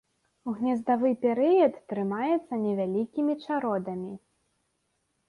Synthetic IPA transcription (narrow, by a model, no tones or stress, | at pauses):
uɣnʲɛzd̪avɨjpʲɛɾɨjɐt̪ːɾɨmajɛt̪sːɐnʲɛvʲalʲikʲimʲit͡ʂaɾɔd̪ɐmʲi